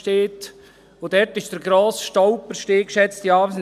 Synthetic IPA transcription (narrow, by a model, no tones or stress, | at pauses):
teːt | od̥ɛɾtɪʃd̥əɾɡɾoːsʃtɔʊpəɾʃteːkʃɛt͡stiɑːbəs